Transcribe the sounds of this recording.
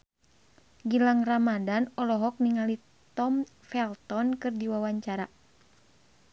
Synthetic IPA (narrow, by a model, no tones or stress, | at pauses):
ɡilaŋramadanɔlɔɦɔk̚niŋali | t̪ɔm | fɛlt̪ɔnkɨrdiwawaɲt͡ʃaɾa